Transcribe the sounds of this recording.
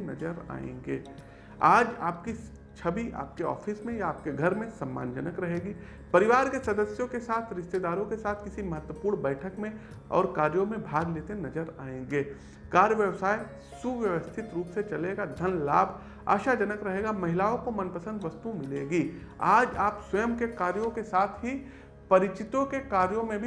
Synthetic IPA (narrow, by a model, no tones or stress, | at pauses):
nɐd͡ʒəɾa̰ːḛ̃ːŋɡeː | aːd͡ʒaːp̚ki | t͡ʃʰɐbiʔa̰ːp̚keɔ̰ːfʰismẽjaaːp̚keɡʱɐɾmẽsɐmːa̰ːnd͡ʒɐnəkɾɐɦeːɡiː | pɐɾɪʋaːɾkesɐd̪əsjõkesaːt̪ʰɾɪʃt̪ed̪aːɾõkesaːt̪ʰkɪsimɐɦət̪wəpuːɾɽɳbɛːʈʰəkmẽ | ɔ̰ːɾkaːɾjõmẽbʱaːɡleːt̪enɐd͡ʒəɾaːẽːŋɡeː | kaːɾjəʋjəʋsaːi | suʋjəʋəst̪ʰɪt̪ɾuːpset͡ʃɐleːɡad̪ʱɐnla̰ːbʱ | a̰ːʃad͡ʒɐnəkɾɐɦeːɡamɐɦɪlaːõkomɐnpəsə̃nd̪ʋɐst̪umɪleːɡiː | a̰ːd͡ʒaːpswɐjəmkekaːɾjõkesaːt̪ʰɦi | pɐɾɪt͡ʃɪt̪õkekaːɾjõmẽbʱi